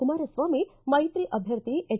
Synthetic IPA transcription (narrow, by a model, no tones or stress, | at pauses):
umaɾəsʋamimɐɦit̪ɾiːʔəbʱjəɾt̪iʔe